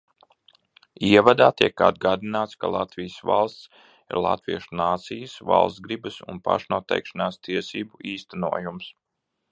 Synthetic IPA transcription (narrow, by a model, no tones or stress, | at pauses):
iɛvad̪aːt̪iɛka̰d̪̚ɡaːd̪inaːt̪ska̰lˠat̪vijəsva̰lˠst̪s | ḭɾlˠa̰t̪viɛʃunaːt̪sijəsva̰lˠsɡɾibəsṵnpa̰ʃnuɔt̪ɛ̰jkʃanaːst̪iɛsiːbuiːst̪ænuɔjums